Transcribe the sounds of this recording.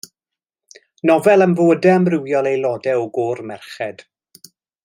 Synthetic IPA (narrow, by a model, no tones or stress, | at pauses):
nɔvɛlˠənvəədɛəmrɪwjɔlˠejlˠɔdɛɔɡɔrmɛrχɛd̥